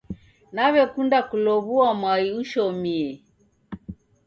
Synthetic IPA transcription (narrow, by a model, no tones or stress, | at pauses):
naβɛkundakulɔβuamwaiuʃɔmiɛ